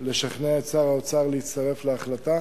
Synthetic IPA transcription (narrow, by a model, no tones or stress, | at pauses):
le̞ʃaχneet͡saʁaot͡saʁleitt͡st̪aʁe̞fleaχlat̪a